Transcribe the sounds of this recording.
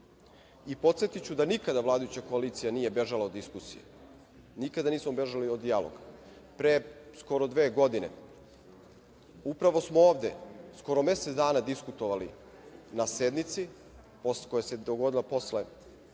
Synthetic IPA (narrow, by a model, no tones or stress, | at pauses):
ipo̞t̪set̪it͡ɕud̪anikad̪aʋlˠaːd̪ajut͡ɕako̞aliːt̪sijaniːje̞be̞ʒalaod̪iskusḭjḛ | nikad̪aniːsmobe̞ʒaliod̪ijalo̰ɡa | pɾesko̞ɾo̞d̪ʋe̞ːɡo̞d̪ine̞̰ | upɾaʋo̞smooːʋd̪e̞sko̞ɾo̞me̞sed̪aːnad̪iskut̪o̞ʋalḭ | nase̞d̪nit̪si | poskojese̞d̪oɡo̞d̪ilapo̞sle